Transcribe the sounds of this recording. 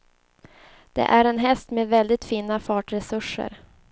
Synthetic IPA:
d̪̥ɛ̰ʔæɾɛnɦɛst̪meːd̪vɛld̪ɪt̪fiːnafɑːʈɾɛsɵʂə̰ɾ

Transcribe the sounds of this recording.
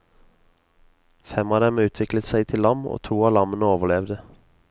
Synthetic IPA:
fɛmɑːd̪ɛmʉːt̪ʰʋɪklət̪sæɪt̪ʰɪlːɑmo̰ːt̪ʰuːɑːlɑmənəoːʋəlɛʋd̪ə

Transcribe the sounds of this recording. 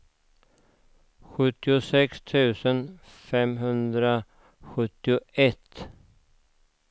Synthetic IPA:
ɧɵt̪ːɪʊsɛkst̪ʰʉ̟ːsən | fɛmɦɵnd̪ɾa | ɧɵt̪ːɪʊɛt̪

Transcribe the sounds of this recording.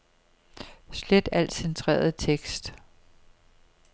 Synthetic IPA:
sled̥æl̰d̥sent͡sʰʁḛːɐð̩ˠt͡sʰeɡ̥sd̥

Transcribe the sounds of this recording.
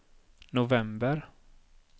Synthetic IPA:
nʊvɛmbəɾ

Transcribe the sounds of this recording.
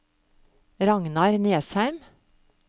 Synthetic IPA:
ɾɑŋnɑɾneːshæʉm

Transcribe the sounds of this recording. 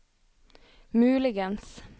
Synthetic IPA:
mʉːlɪɡəns

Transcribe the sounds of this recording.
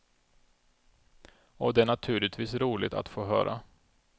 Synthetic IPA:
ɔd̪ɛæɳat̪ʰʉ̟ːlɪt̪ʰviːsɾuːlɪ̰ɡ̚t̪a̰t̪foːɦœ̰ːɾʔa̰

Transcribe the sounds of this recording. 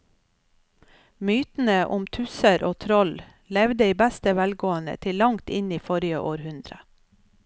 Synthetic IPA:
myːt̪n̩əʔʊmt̪ʰʉsəɾʔoːt̪ʰɾɔl | lɛʋd̪əiːbæst̪əʋælɡoːənə̰t̪ʰɪlːɑŋt̪ɪniːfɔɾɪəʔoːɾhʉnd̪ɾə̰

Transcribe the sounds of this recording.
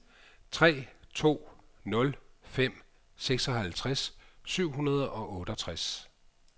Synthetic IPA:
t͡sʰʁɛ̰ːt͡sʰo̝̰ːnɔ̽lfem̰ | seɡ̥sɒ̽ɦælt͡sʰʁassyʊ̰ɦunɐð̞ˠɒ̽ʔɔ̽ːɾ̥ɒt͡sʰʁas

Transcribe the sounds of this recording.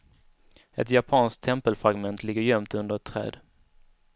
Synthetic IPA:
ɛ̰t̪japʰɑːnsk̚t̪ʰːɛmpəlfɾaɡmɛnt̪lɪɡːəɾjœmt̪ɵnd̪əɛt̪ʰːɾɛ̰ːd̪

